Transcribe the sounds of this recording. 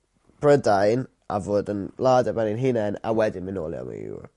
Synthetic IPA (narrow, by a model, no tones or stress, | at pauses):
b̥ʰɾədajn | ʔa̰vʊdənlaːdəbɛnɪnɦinɛna̰wɛdɪmɪnɔlia̰mə̰jṵː